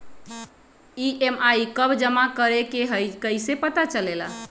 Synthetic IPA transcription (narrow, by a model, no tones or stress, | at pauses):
iʔemaikəbd͡ʒəmakəɾekeɦəjkəjsepət̪at͡ʃəlela